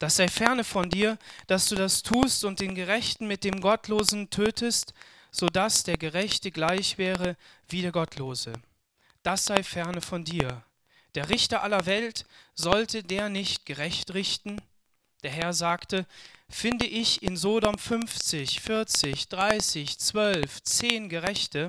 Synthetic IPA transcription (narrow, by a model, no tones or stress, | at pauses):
d̥asz̥aɪfɛɐnəfɔndiːɐd̥asd̥uːdastʰuːstʊnt̚d̥eːnɡəʁɛçtn̩mɪt̚d̥eːmɡɔtloːzn̩tʰøːtʰəst | z̥oːdasd̥eːɐɡəʁɛçtəɡlaɪçv̥ɛːʁəviːdeːɐɡɔtʰloːzə | d̥asz̥aɪfɛɐnəfɔndiːɐ | d̥eːɐʁɪçtɐʔalɐvɛltz̥ɔltədeːɐnɪçt̚ɡ̥əʁɛçtʁɪçtn̩ | d̥eːɐɦɛɐzaːktəfɪndəʔɪçɪnzoːdɔmfʏnft͡sɪçfɪɐt͡sɪçd̥ʁaɪsɪçt͡sv̥œlft͡seːnɡəʁɛçtə